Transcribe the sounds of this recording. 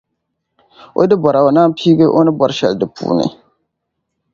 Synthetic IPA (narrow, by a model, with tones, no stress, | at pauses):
o̰˦dɨ˦bɔ˨ɾa˨o˨naː˦piː˦ɡɨ˦ʔo˦nɨ˦bɔ˦ɾʃɛ˨ldɨ˨pʰṵː˨nɨ̰˨